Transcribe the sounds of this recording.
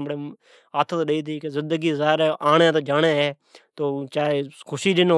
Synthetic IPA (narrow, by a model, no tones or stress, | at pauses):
ɽeː | aːt̪ʰət̪ːɗəiːt̪iːkezɪ̃nd̪əɡiːzaːɦɪɾʔaːɳeːt̪oːd͡ʒaːɽeːɦɛː | t̪oːt͡ʃaːekʰʊʃiːd͡ʒɪn